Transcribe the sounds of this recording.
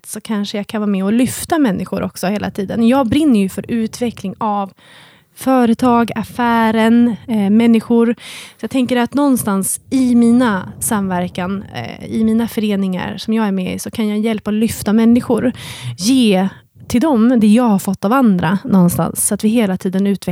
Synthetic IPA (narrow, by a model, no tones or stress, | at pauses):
t̪sɔkʰanʂəjakʰanvɑːɾmɛɔlʏft̪amɛnːɪɧʊɾʔɔ̰ksɔheːlʔa̰t̪ʰiːd̪ənjɑːɡ̚bɾɪnːəɾjɵfœɾʉ̟ːt̪vɛklɪŋav | fœːɾət̪ʰɑːɡafæːɾənmɛnːɪɧʊɾsɔjɑt̪ʰɛŋkəɾat̪nɔnst̪ansɪmiːnasamːvæɾkanɪmiːnafœɾeːnɪŋa̰ɾʂɔmjɑːɡæɾmɛɪ̰sɔkʰanjɑːjɛlpaɔlʏft̪amɛnːɪɧʊɾjeː | t̪ʰɪld̪ɔmd̪ɛjɑːɡhaɾfɔt̪ːavand̪ɾanɔnst̪a̰nsːɔat̪vɪɦeːlat̪ʰiːd̪ənʉ̟ːt̪vɛ